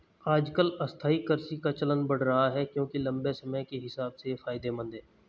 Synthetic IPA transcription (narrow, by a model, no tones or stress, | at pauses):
aːd͡ʒkəlɐst̪ʰaːikəɾsikat͡ʃɐlənbəɽ̤ɾɐɦaɦɛkjõːkilɐ̃mbesɐməjkeɦɪsaːbsefaːɪd̪emə̃nd̪ɦɛ̃ː